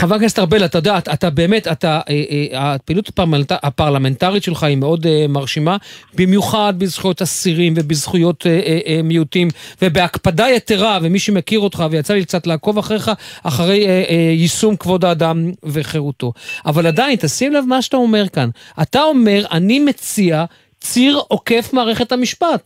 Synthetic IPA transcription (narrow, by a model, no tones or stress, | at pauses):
χavakest̪aʁbelat̪ajo̞deaat̪abe̞ːme̞tat̪aʔeʔapeilutḁpaʁaapaʁlame̞ntaʁitʃe̞lχaimeo̞d̪maʁʃimabimjuχad̪̚bizχujo̞tasiʁimvebizχujo̞t̪eʔmiutimvebeakpadajet̪eʁavemiʃemekiʁo̞t̪χavejat͡salik̚t͡satlaːko̞vaχʁeχaaχaʁe̞jjisumkvo̞daːdamveχe̞ʁuto̞ʔavaladaint̪asimlavmaʃatao̞me̞ʁkanʔatao̞me̞ʁʔanimet͡sia | t͡siʁo̞ke̞fmaːʁe̞χethamiʃpat